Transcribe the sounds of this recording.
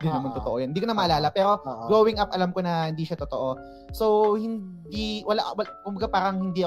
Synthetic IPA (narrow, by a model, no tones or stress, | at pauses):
d̪ɪnːɐmɐnt̪ot̪oʔojɐnhɪd̪iːkonɐmɐʔɐlaːlɐpɛːɾo̞ɡowɪŋʔapʔɐlamkonɐhɪnd̪iːʃat̪ʊt̪oʔo | sowhɪnd̪iwɐlaʔwɐkʊmbɐɡapaːɾɐŋhɪnd̪iːʔɐ